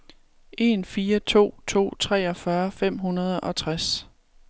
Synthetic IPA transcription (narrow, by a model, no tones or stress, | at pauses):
ʔe̝nfiːɐt͡sʰo̝̰ːt͡sʰo̝̰ːt͡sʰʁɛ̰ːɒ̽fɶɐfem̰ɦunɐð̞ˠɒ̽t͡sʰʁas